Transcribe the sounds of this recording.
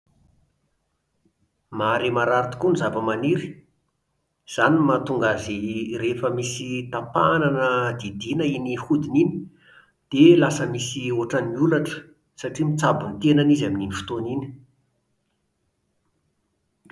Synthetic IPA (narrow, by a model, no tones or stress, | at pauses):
maɾemaɾaɾit̪u̥kunizavəmaniɾi̥ | z̥animat̪uŋɡazirefəmisit̪apa̰nanəd̪id̪inəinihud̪inini̥ | d̪̥elasəmisioʈ͡ʂaniulaʈ͡ʂə̥ | saʈ͡ʂimit͡sabunit̪enanizamininifu̥t̪onini̥